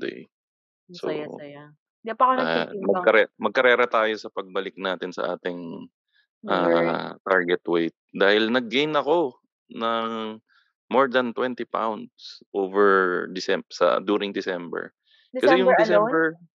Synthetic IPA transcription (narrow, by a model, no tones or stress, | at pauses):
d̪ɛ̰ | so̰ | dpɐamɐkɐɾɛmɐɡ̚kɐɾɛːɾɐt̪aːjo̞sɐpɐɡ̚bɐlɪk̚naːt̪ɪnsɐ̰ʔaːt̪ɪŋ | ʔat̪aɹɡɛt̪wejt̪̚d̪aːhɪlnɐɡːejnɐko̞ | nɐŋ | moɹd̪ɐnt̪wɛnt̪ɪpa̰wnd̪sʔoːvɛɹd̪ɪsɛsɐ̰d̪uːɾɪŋd̪ɪsɛmbɛ̰ɹ | kɐsɛjʊŋɪsɛmbɛɹ